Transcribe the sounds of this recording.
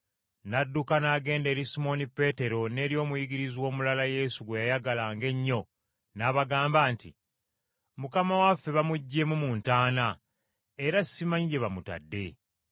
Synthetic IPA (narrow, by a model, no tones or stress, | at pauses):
nadːukanaɡe̞ːnde̞ɾisimo̞nipe̞ːte̞ɾo̞ne̞ːɾjo̞ːmujiɡiɾizwo̞ːmulalaje̞ːsuɡwe̞jajaɡalaːŋɡe̞ɲːo̞ | naːβaɡaːmbaːntḭ | mukamawafːe̞βamuɟːemumuːntaːna | eɾasːimaɲiɟe̞βamuta̰dːe̞